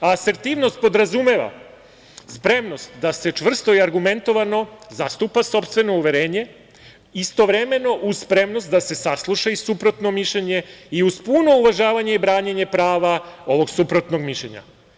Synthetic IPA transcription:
ase̞ɾt̪iːʋno̞st̪̚po̞d̪ɾazumeʋa̰ | spɾe̞mno̞st̪d̪ase̞t͡ʃʋr̩st̪oiaɾɡume̞nt̪o̞ʋano̞zast̪upaso̞pst̪ʋe̞no̞uʋe̞ɾe̞ːɲe̞ | ist̪o̞ʋɾe̞me̞no̞ʔuspɾe̞mno̞st̪̚d̪ase̞saslˠuʃaisupɾot̪no̞miʃʎeɲe̞iuz̥puno̞uʋaʒaːʋaɲe̞ibɾaːɲeɲe̞pɾaːʋao̞ʋo̞ɡsupɾo̞t̪no̞ɡmiʃʎʲḛɲa̰

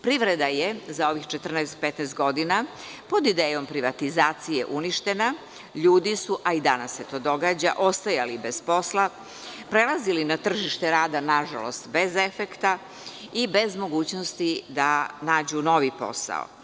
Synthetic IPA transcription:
pɾiʋɾed̪ajezao̞ʋixt͡ʃet̪r̩nɛːst̪pet̪nɛːst̪̚ɡo̞d̪ina | po̞d̪id̪eːjo̞mpɾiʋat̪izaːt̪sijeʔuniʃt̪e̞na | ʎuːd̪isuʔaid̪anasːe̞t̪o̞ːd̪o̞ɡaːd͡ʑa̰ʔo̞st̪ajalibe̞z̥po̞slˠa | pɾe̞lˠazilinat̪r̩ʒiʃt̪eɾaːd̪anaʒa̰lo̞̰st̪be̞ze̞fekt̪a | ibe̞zmo̞ɡuːt͡ɕnost̪id̪anaːd͡ʑuno̞ʋipo̞̰sa̰o̰

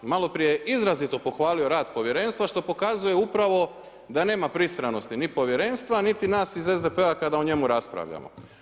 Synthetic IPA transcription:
malo̞pɾije̞izɾazit̪o̞po̞xʋaːlio̞ɾaːd̪po̞ʋje̞ɾe̞nst̪ʋaʃt̪o̞po̞kazuje̞upɾaʋo̞ | d̪ane̞ːmapɾist̪ɾano̞st̪inipo̞ʋje̞ɾe̞nst̪ʋanit̪inaːsizezd̪epeakad̪auɲe̞muɾaspɾa̰ʋʎa̰mo̰

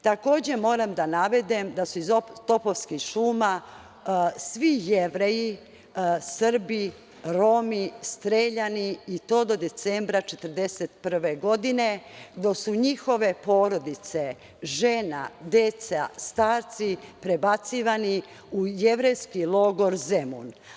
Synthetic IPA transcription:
t̪ako̞ːd͡ʑe̞mo̞ːɾamd̪anaʋe̞d̪emd̪asuizot̪o̞poʋskiʃuːma | sʋijeʋɾeji | sr̩bi | ɾo̞ːmist̪ɾeːʎaniːt̪o̞ːd̪o̞d̪e̞t̪sembɾat͡ʃe̞t̪əɾd̪eset̪pr̩ʋeɡo̞d̪ine̞ɡd̪o̞suɲixo̞ʋe̞po̞ːɾo̞d̪it̪se̞ | ʒena̰d̪et̪sast̪aːɾt̪sipɾe̞bat̪siʋani | uje̞ʋɾejskilˠo̞ɡo̞ɾzemṵn

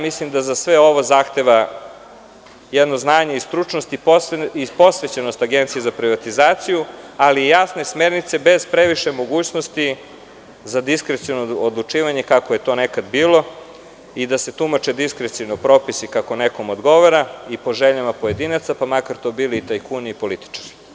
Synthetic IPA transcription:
mislimd̪azasʋeo̞ʋozaːxt̪e̞ʋa | jɛd̪noznaːɲe̞ist̪ɾut͡ʂnost̪ipipo̞sʋet͡ɕeno̞st̪aɡent̪sije̞zapɾiʋat̪izaːt̪sijualijasne̞smeɾnit̪se̞be̞z̥pɾeʋiʃemo̞ɡuːt͡ɕnost̪i | zad̪iskɾet̪sinood̪lˠut͡ʃiːʋaɲe̞kakojet̪o̞ːnekad̪biːlˠo̞ | id̪ase̞t̪umat͡ʃed̪iskɾet̪siʋnopɾo̞pisikako̞neko̞mod̪ɡo̞ʋaɾaipo̞ʒeʎamapo̞je̞d̪inat̪sapamakaɾt̪o̞biːliːt̪ajkuniipo̞lit̪i̥t͡ʃḁɾi̥

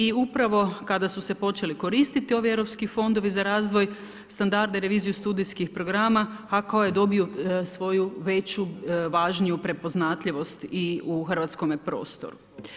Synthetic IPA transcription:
iupɾaʋo̞kad̪asuse̞po̞t͡ʃe̞liko̞ɾist̪it̪io̞ʋievɾopskifo̞nd̪o̞ʋizaɾaːzʋo̞j | st̪and̪aɾd̪eɾe̞ʋiːzijust̪uːd̪iskixpɾo̞ɡɾaːmaakaojed̪o̞biosʋo̞juʋe̞t͡ɕuʋaʒnijupɾe̞po̞znat̪ʎʲiʋo̞st̪iuxrʋat̪sko̞mepɾo̞̰ːst̪o̞̰ɾṵ

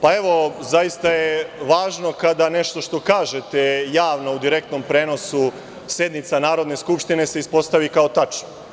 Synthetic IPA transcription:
pae̞ʋo̞zajist̪ajeʋaːʒno̞kad̪ane̞ʃt̪o̞ʃt̪o̞kaːʒet̪ejaːʋno̞ud̪iɾe̞k̚t̪no̞mpɾe̞ːno̞su | sje̞d̪nit̪sanaːɾo̞d̪ne̞skupʃt̪ine̞seispo̞st̪aʋikao̞t̪at͡ʃno

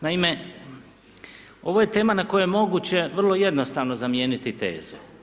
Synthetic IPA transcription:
naime̞ | o̞ʋoje̞t̪e̞ːmanako̞jojemo̞ɡut͡ɕe̞ʋr̩lˠo̞je̞d̪no̞st̪aːʋno̞zamje̞ːnit̪it̪e̞̰ːz̥e

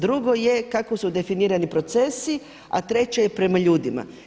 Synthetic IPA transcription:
d̪ɾuɡo̞je̞kakosud̪e̞finiːɾanipɾo̞t̪se̞si | a̰t̪ɾe̞t͡ɕejepɾe̞maʎuːd̪ima̰

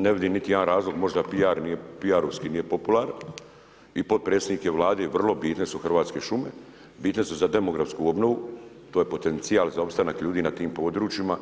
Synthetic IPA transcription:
neʋid̪iːmnit̪ijed̪anɾaːzlo̞ɡmo̞ʒd̪apiaɾnije̞piaɾoʋskiːniːje̞po̞pulˠaɾan | ipo̞d̪̚pɾeːsed̪nike̞ʋlˠaːd̪e̞ʋr̩lo̞biːt̪ne̞suxrʋaːt̪ske̞ʃume̞̰ | biːt̪ne̞suzad̪e̞mo̞ɡɾafskuo̞bno̞ʋu | t̪ojepo̞t̪e̞nt̪sijaːlzao̞pst̪anakʎuːd̪iːnat̪iːmpo̞ːd̪ɾuːt͡ʃima

